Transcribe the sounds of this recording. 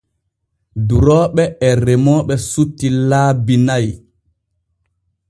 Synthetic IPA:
duɾɔːɓɛɛɾɛmɔːɓɛsutːilaːbinaj

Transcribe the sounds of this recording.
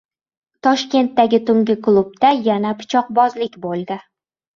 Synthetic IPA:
t̪ʰɒʃkʲe̞nt̪ːaɡʲɪt̪ʰʊŋɡʲɪklˠub̚t̪ajanapʰɪ̥t͡ʃʰɒq̚bɒzlɪkʲbolˠd̪ɪ

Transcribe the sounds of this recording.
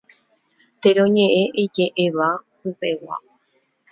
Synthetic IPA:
t̪eɾ̃õɲẽʔẽʔed͡ʒeʔeʋa | upe̞wa̰

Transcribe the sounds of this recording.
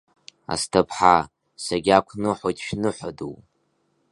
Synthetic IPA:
a̰stʰapʰħa | saɡʲakʷʰnɨħʷotʰʼʃnɨħʷadṵw

